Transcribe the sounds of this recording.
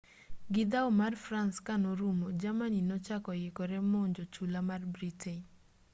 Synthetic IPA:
ɡɪd̪aɔmarfɾanskanoɾumod͡ʒamaninɔt͡ʃakɔjɪkɔɾɛmoɲd͡ʒot͡ʃulamarbɾitʰen

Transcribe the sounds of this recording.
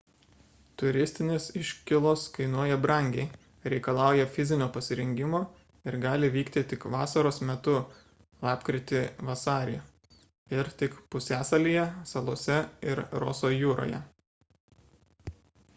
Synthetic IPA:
t̪ʊɾʲɪsʲt̪ʲɪnʲesɪʃʲkʲɪlˠoːskɐɪnuɔjɛbɾɐˑŋʲɡʲɛɪ | ɾʲɛɪkɐlˠɑˑʊjɛfʲɪzʲɪnʲoːpɐsʲɪɾʲɛŋʲɡʲɪmoː | ɪɾɡɑːlʲɪʋʲiːkt̪ʲɪt̪ʲɪkʋɑːsɐɾoːsmʲɛt̪ʊ | lˠɑːpkɾʲɪt̪ʲɪʋɐsɑːɾʲḛ | ɪɾt̪ʲɪkpʊsʲæːsɐlʲiːjɛsɐlˠoɔsʲɛɪɾɾɔ̰ːsoːjuːɾo̰ːjɛ̰

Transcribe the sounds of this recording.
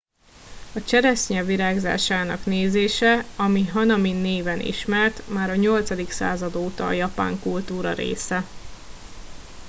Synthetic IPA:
ɒt͡ʃɛɾɛsɲɛviɾaːɡza̰ːʃaːnɒkneːzeːʃɛɒmiɦɒnɒmineːvɛnḭʃmɛrt̪maːɾɒɲo̞lt̪sɒd̪iksa̰ːzɒd̪oːt̪ɒ̰ːjɒpa̰ːŋkult̪uːɾɒ̰ɾḛːsɛ

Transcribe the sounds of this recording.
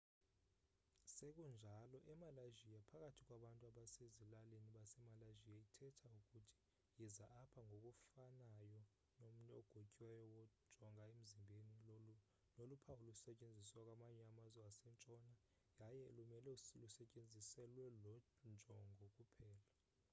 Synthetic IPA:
sek̬ʼund͡ʒʱalɔʔɛmalaʒijapʰak̬ʼatʰikʼwaɓantʼuaɓasezilaleniɓasɛmalaʒijaitʰɛtʰauk̬ʼutʰi̥ | jɛzaʔːpʰaŋʱok̬ʼufanajɔ | nom̩nɛɔɡ̥ʱocʼiwɛjɔwɔ̥ʒ̥ʱɔŋʱaem̩zimbʱeni | nolupʰaulusɛcʼend͡zʱiswak̬ʼwamaɲɛamazɛasɛnt͡ʃʼɔna | jajɛlumɛlɛlusɛcʼend͡zʱisɛlwɛlɔ | nd͡ʒʱɔŋɡʱɔk̬ʼupʰɛːla

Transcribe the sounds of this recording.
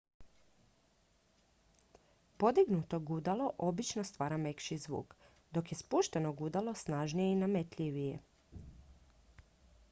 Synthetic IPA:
po̞d̪iɡnut̪o̞ɡud̪alˠo̞ʔo̞bit͡ʃnost̪ʋaːɾame̞kʃizʋṵːk | d̪o̞kje̞spuʃt̪e̞noɡud̪alo̞snaʒnijeinamet̪ʎʲiʋijḛ

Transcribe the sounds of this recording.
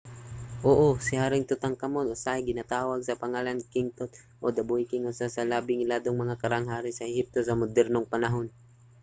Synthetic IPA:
ʔoːʔosɪhaːɾɪŋt̪ʊt̪aŋkɐmot̪ʔosahɪɡɪnat̪aːwaɡ̚sɐpɐŋaːlankɪŋt̪ot̪̚ | ʔod̪ɐbuɪkɪŋʊsasɐlaːbɪŋɪlaːd̪oŋmɐŋakɐɾaŋɦaːɾɪsɐɛhɪp̚t̪osɐmʊd̪ɛɾnoŋpɐnɐɦon

